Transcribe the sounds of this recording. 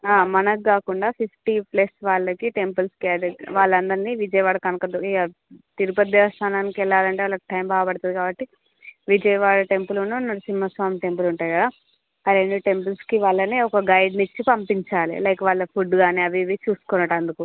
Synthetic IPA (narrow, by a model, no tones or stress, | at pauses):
aːmɐnɐkːaːkuɳɖaːpʰifʈiplesʋaːɭːɐkiʈe̞mpɐlskːdɐʋaːɭːɐnd̪ɐɾniːʋid͡ʒɐjʋaːɽɐkɐnɐkɐd̪ɐ | t̪iɾupɐd̪jɐst̪ʰaːnaːnikɛɭːaːlɐɳʈeʋaɭɐkʈɐjmbaːɡɐpɐɽt̪und̪ikaːbɐʈːi | ʋid͡ʒɐjʋaːɽɐʈe̞mpulununɐɾsinimɐsʋaːmiʈe̞mp̬uluɳʈaːjikɐd̪a | ɐɾe̞ɳɖuʈe̞mp̬ɐlskiʋaːɭːɐneːɔkɐɡɐjɖnit͡ʃːipɐmpiɲt͡ʃaːlḭlɐjkɐʋaːɭːɐpʰuɖɡaːneːɐʋiʋit͡ʃuːsu̥kɔnːɐʈɐnd̪uku